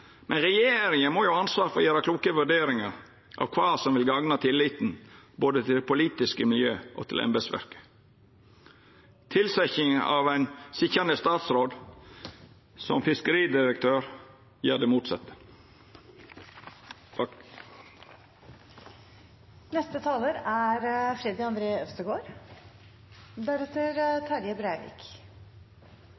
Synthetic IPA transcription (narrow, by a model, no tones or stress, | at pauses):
mʔɛnɾɛjeːɾɪŋənmoːjʊɑnsʋɑːɾfɔjeːɾɑkluːkəʋʉɖeːɾɪŋɑɾ | ʔɑ̰ʋkʰʋɑːsɔmʋɪlɡɑŋnɑt̪ʰɪlːɪt̪n̩boːd̪ət̪ʰɪlpʰʊliːt̪ɪskəmɪljøːʔɔ̰t̪ʰɪlʔɛ̰mbəsʋæ̰ɾkə̥ | t̪ʰɪlsæçɪŋɑ̰ʋæɪnsɪçɑnəst̪ɑːt̪sɾoːd̪ | sɔ̰mfɪskəɾiːd̪ɪɾək̚t̪ʰøːɾ | jæːɖeːmuːt̪sɛ̰t̪ə̥ | nɛst̪ət̪ʰɑːləɾæɾfɾɛd̪ɪɑnd̪ɾeːœst̪əɡoːɾ | d̪æɾɛt̪əɾt̪ʰɑɾjəbɾæɪʋɪ̰ːk